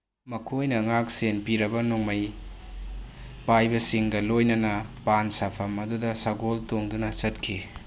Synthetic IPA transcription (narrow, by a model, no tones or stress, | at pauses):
mɐkʰojnɐŋak̚senpiɾɐbɐnuŋmɐj | pajbɐsiŋɡɐlojnɐnɐpansapʰɐmɐdudɐsaɡoltoŋdunɐsɐt̚kʰi